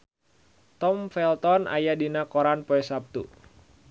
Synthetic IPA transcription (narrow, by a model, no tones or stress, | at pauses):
t̪ɔmfɛlt̪ɔnʔa̰jadinakɔɾanpɔɛsap̚t̪ṵ